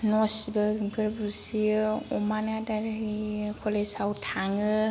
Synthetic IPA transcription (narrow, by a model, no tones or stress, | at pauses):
nɔsibaɡɯɾbusiɔmanadaɾikʰɔlesawtʰaŋɯ